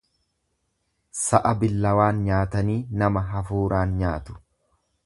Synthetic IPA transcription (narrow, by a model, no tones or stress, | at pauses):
sɐʔɐbɪlːɐwaːnɲaːt̪ɐniːnɐmɐɦɐfuːɾʔaːnɲaːt̪ʊ̥